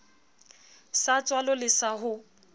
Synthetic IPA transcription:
sat͡sʼwalɔlɪsaɦʊ

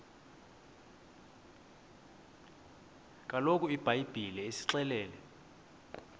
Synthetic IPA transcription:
kʼalok̬ʼuib̥ʱajb̥ʱilɛesi̥ǁɛlɛːlɛ

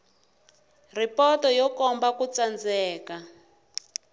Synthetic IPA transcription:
ripɔtɔjɔkɔmbakut͡sand͡zɛːka

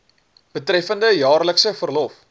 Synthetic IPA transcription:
b̥ətrɛfəndəjɑːrləksəfərlɔf

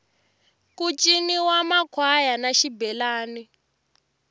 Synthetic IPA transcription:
kut͡ʃʼiniwamakʰwajanaʃibɛlaːni

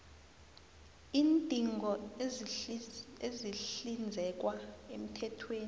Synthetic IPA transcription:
iːntʼiŋʱɔ | eziɬind͡zʱɛk̬waem̩tʰɛtʰweːni

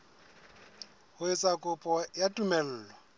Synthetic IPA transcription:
hʊɪt͡sʼakʼʊpʼɔjatʼumɛl̩ːlɔ

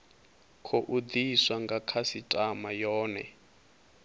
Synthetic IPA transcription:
kʰɔʔud̪iswaŋɡakʰasitʼamajɔːnɛ̰

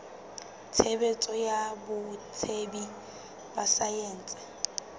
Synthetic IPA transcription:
t͡sʰebet͡sʼɔjabʊt͡sʰebi | basajeːnt͡sʼɪ̥

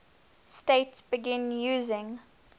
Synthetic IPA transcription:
steɪtsb̥ɪɡɪ̃njuːzɪ̃ŋ

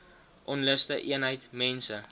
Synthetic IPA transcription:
ʔɔnləstəʔiənɦəjtmɛnsə

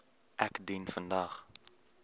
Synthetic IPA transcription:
ʔækdinfəndɐχ

